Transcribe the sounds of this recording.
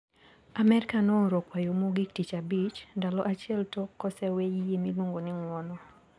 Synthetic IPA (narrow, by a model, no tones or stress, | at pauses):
amɛɾɪkanɔɾokwajomoɡik̚tit͡ʃabit͡ʃndalɔʔat͡ʃɪɛltɔkːɔsɛwejjemiloŋɡonɪŋwɔnɔ